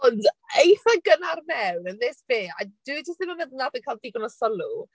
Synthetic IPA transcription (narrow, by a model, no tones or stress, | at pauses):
ɔndejθaɡənarmɛwnənðɪsveːa̰d̥ud͡ʒəstɪməməðnabəkʰalˠdiːɡɔnɔsɔlu